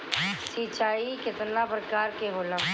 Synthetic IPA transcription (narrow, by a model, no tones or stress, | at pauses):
siːt͡ʃaːikɪt̪napɾəkaːɾkeɦʊlə